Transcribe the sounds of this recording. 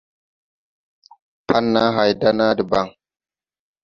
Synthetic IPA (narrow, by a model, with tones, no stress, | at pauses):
pʰa˦nːa˦ɦa˨jda˦na˦di˨ba˦˨ŋ